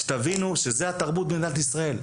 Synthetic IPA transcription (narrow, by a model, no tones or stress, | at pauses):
e̥t̪avinuʃezehat̪aʁbut̪̚bend̪at̪isʁae̞l